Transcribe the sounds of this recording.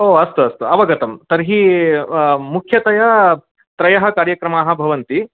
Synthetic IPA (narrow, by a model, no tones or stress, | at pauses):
oːɐst̪uɐst̪uɐʋɐɡɐt̪ɐmt̪ɐɾɦi | mukʰjɐt̪ɐjɐ | t̪ɾɐjɐɦɐkaːɾjɐkɾɐmaːɦɐ̆bʱɐʋɐnt̪i